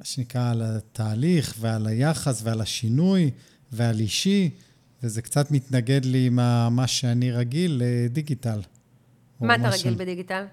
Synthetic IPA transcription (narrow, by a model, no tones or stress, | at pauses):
maʃenikʁaːlat̪ʰaːliχvealajaχasvealaʃinuj | vealiʃi | vezekt͡sat̪mit̪naɡe̞dliːmamaʃeaniʁaɡilːediɡital | omamaʁaɡilbed̪iɡital